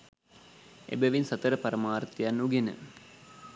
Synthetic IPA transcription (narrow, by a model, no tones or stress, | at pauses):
ḛbɐʋinsɐt̪əɾəpɐɾɐmaːrt̪ijanːuɡenə̰